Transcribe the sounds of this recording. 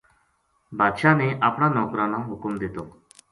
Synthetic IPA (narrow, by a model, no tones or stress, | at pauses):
bad̪ʃaneʔapɳ̃anɔkɾanaɦukumd̪it̪o